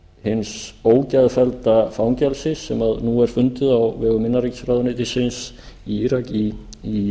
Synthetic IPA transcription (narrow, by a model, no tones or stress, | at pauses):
hɪnsoːwcaðfɛlt̪afawŋcɛlsɪsːɛmaðnuɛɾ̥fʏnt̪ɪðawvɛːɣʏmɪnːaɾicsɾaːðʏnɪt̪ʰɪsɪns | iiɾakii